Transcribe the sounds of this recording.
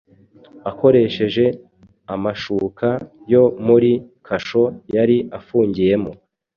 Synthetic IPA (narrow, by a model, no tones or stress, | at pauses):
ako̞ɾe̞ʃe̞ʒe̞ | amaʃuːka | jo̞muɾikʰaʃo̞jaɾiafuːɲɟije̞mo